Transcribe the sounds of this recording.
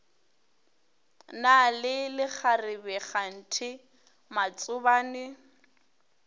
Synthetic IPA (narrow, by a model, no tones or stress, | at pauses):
nalɪlɪk͡xʰarɪbɛχan̩tʰɪ | mat͡sʼʊbaːnɪ